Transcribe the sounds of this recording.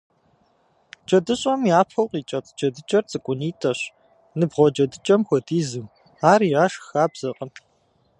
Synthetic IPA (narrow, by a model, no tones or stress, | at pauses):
t͡ʃʼɐdɨɕʼɐmjaːpʰɐwqʼiːt͡ʃʼɐtʰʼd͡ʒɐdɨt͡ʃʼɐrt͡sʼɨkʷʼʊniːtʼɐɕ | nɨbʁʷɔd͡ʒɐdɨt͡ʃʼɐmxʷɔdiːzɨw | aːriːaːʃxaːbz̥ɐqʼən